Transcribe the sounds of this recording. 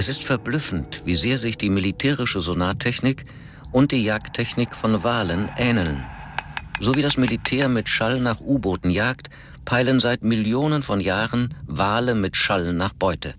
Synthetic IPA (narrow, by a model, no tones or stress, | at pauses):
ʔɛsɪstfɛɐblʏfn̩tv̥iːzeːɐzɪçd̥iːmilitʰɛːʁɪʃəzonaːtʰːɛçnɪk | ʔʊnt̚d̥iːjaːktʰːɛçnɪkfɔnvaːlənʔɛːnəln | z̥oːviːdasmilitʰɛːɐmɪtʃalnaːχʔuːboːtn̩jaːkt | pʰaɪlənzaɪtmɪljoːnənfɔnjaːʁənvaːləmɪtʃalnnːaːχb̥ɔʏtə̰